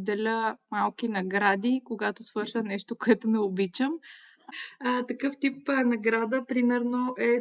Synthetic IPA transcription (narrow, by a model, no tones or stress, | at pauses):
d̪ɛlʲəmalˠkinɐɡɾad̪ikoɡat̪osvɤɾʃənɛʃt̪okoɛt̪onɛobit͡ʃəm | t̪ɐkɤft̪ipːnɐɡɾad̪əpɾimɛɾnoʔɛ